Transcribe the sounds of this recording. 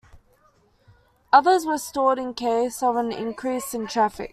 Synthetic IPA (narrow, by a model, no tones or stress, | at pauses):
ʌðəzɹəstɔːɾɪ̃nkʰeɪsəvə̃nɪ̰̃nkʰɹ̥iˑsə̃ntʰɹ̥æfɪ̰k̚